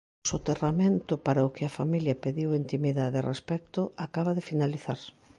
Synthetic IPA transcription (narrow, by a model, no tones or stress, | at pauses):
sot̪eramẽnt̪ʊpaɾaʊkɪafamiljɐpeðiwint̪imiðaðerespɛk̚t̪ʊakaβaðefinaliθaɾ